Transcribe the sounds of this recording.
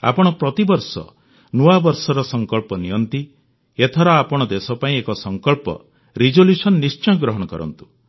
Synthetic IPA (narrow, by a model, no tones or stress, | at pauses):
a̰pɔɽ̃ɔpɾɔt̪ibɔɾsɔ̰ | nuabɔɾsɔɾɔsɔŋkɔɭpɔnijɔnt̪i | et̪ʰɔɾɔapɔɽ̃ɔd̪esɔpaĩekɔsɔŋkɔɭpɔ̰ | ɾid͡ʒoljusɔnːist͡ʃɔjɡɾɔɦɔɽ̃ɔkɔɾɔ̰nt̪u̥